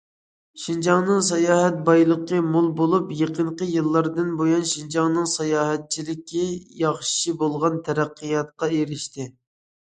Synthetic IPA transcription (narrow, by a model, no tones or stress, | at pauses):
ʃind͡ʒɑŋnɨŋsɑjɑːɦɛt̪̚bɑjlˠəqəmolˠbolˠupjeqʰəɴqəjɨlˠːɑɾd̪ɨnbojɑnʃind͡ʒɑŋnɨŋsɑjɑːɦɛt̪̚t͡ʃʰilɪkʲʰːijɑχʃʃibolˠʁɑnt̪ʰɛɾæqːəjɑt̪̚qɑeɾɪʃt̪ɪ